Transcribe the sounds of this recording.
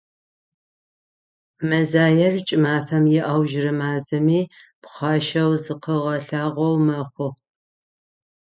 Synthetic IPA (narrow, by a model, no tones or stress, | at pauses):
mɐzaːjɐrt͡ʃʼɪmaːfɐmjɪʔɐwʒrɨmaːzɨmiːpχʷɑːʃɐwzɨqəʁɐɬaːʁʷɐwmɐχʷʊʁ